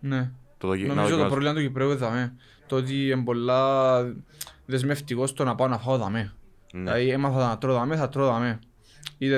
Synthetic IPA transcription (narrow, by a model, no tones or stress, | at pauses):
net̪onomzot̪opɾovlimɐt̪ucipɾeueðɐme | t̪ot̪̬iembo̞lːɐ | ðe̞zme̞ft̪iko̞st̪onɐpaonɐfaoðɐme | ɐiemɐθɐðt̪ɾoðɐmeθɐt̪ɾoðɐme | it̪e